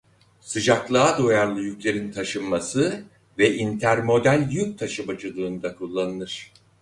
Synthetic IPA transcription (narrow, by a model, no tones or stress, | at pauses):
sɯd͡ʒaklˠaːd̪o̞jaɾlˠɯjycʲlʲe̞ɾint̪ʰaʃɯnmasɯ | vɛint̪ʰæɾmo̞d̪ælʲjyk̚t̪ʰaʃɯbad͡ʒɯlˠɯːnd̪akʰulˠːanɯnˠɯɾ̝̥